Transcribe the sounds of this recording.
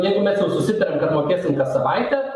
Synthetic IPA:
jɛɪɡʊmʲɛsjɛʊsʊsʲɪt̪ɐɾʲɛmkɐt̪moːkʲeːsʲɪmkɐsɐʋɐɪt̪ʲɛ

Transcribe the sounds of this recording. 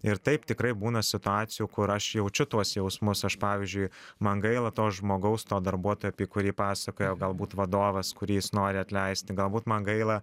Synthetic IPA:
ɪɾt̪ɐɪpt̪ʲɪkɾɐɪbuːnɐsʲɪt̪ʊɑːt͡s̪ʲɪjuːkʊɾɐʃjɛʊt͡ʃʲʊt̪uɔsjɛʊsmʊsɐʃpɑːʋʲɪzʲd͡ʒʲʊɪmɐŋɡɐɪlˠɐt̪oːsʒmoːɡɐʊst̪oːd̪ɐrbuɔt̪oːjuːɐpʲiːkʊɾʲiːpɑːsɐkoːjɛʊɡɐlˠbuːt̪ʋɐd̪oːʋɐskʊɾʲiːjɪsnoːɾʲɪɐt̪ʲlʲɛɪsʲt̪ʲɪɡɐlˠbuːt̪mɐŋɡɐɪlˠɐ

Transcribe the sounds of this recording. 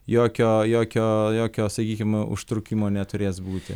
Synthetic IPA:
joːkʲoːjoːkʲoːjoːkʲoːsɐkʲiːkʲɪmʊ̰ʃt̪ɾʊkʲimoːnʲɛt̪ʊɾʲeːsbuːt̪ʲɪ̰

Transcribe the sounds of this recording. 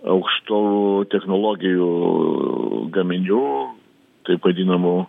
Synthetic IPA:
ɐ̰ʊkʃt̪oːut̪ʲɛxnoːlˠoːɡʲɪju | ɡɐmʲɪnʲuː | t̪ɐɪpʋɐd̪ʲiːnɐmʊ

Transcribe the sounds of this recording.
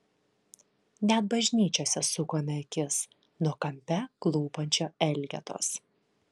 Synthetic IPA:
nʲɛt̪̚bɐʒʲnʲiːt͡ʃʲoːsʲɛsʊkoːmʲɛkʲɪs | nuɔkɐmʲpʲɛklˠuːpɐnʲt͡ʃʲoːɛlʲɡʲɛ̰t̪o̰ːs

